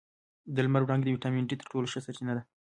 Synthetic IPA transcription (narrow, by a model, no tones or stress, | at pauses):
d̪əlmaɾwɾɑŋɡd̪əwiʈɑminʈit̪əɾʈoloʃəsat͡ʃinad̪a